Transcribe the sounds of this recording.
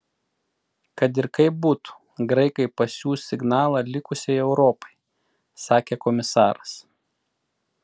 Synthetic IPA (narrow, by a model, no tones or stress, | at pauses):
kɐt̪ɪɾkɐɪp̚buːt̪u̥ | ɡɾɐɪkɐɪpɐsʲuːɪɡnɑːlˠɑlʲɪkʊsʲɛɪɛʊɾɔpɐɪ | sɑːkʲeːkɔmʲɪsɑːɾɐs